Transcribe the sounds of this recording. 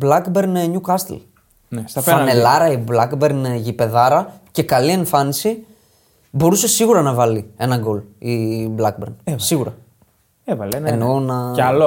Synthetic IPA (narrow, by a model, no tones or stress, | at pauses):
blɐkbeɾnɲukɐst̪ḛl | nsɐfɐnelɐɾɐiblɐkbe̞ɾnʝipe̞ðɐɾɐce̞kɐlie̞ɱfɐnisi | bo̞ɾuse̞siɣuɾɐnɐvɐlie̞nɐŋɡo̞liblɐkbḛɾnssiɣuɾɐ̰ | evɐlnenonɐlo